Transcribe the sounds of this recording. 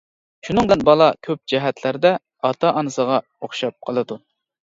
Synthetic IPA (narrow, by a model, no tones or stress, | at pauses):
ʃunɨŋd̪ɨnbɑlˠɑkʲʰøp̚d͡ʒɛɦɛt̪ʰlæɾd̪ɛ | ɑt̪ʰɑʔɑnɨsəʁɑ | oχʃɑp̚qʰəlˠɨd̪u